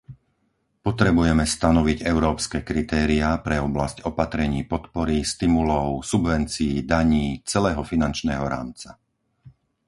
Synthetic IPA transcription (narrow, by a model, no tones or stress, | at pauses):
pɔt̪ɾɛbujɛmɛst̪anɔʋiɟɛʊɾɔːpskɛkɾit̪ɛːɾiapɾɛɔblascɔpat̪ɾɛɲiːpɔt̪pɔɾist̪imulɔʊsubʋɛnt͡siːd̪aɲiːt͡sɛlɛːɦɔfinant͡ʃnɛːɦɔɾa̰ːmt͡sa